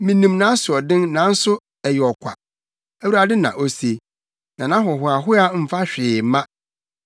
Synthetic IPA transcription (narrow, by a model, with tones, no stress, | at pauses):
mĩ˨nĩ˨mnã˦sʊ˨ɔ˨dɪ̃˦nnã˨˦n̩˦sʊ˦ | ɛ˨jɪ˨ɔ˨kʷʰa̰˨ | æ˦wu˨ɾa˨dɪ˦nã̰˨ʔo˦se˨ | nã˨nã˦ɦɔ˨ɦʊ˨a˨ɦʊ˦a˦m̩˨fa˦ɕᶣɪː˨˦mã˦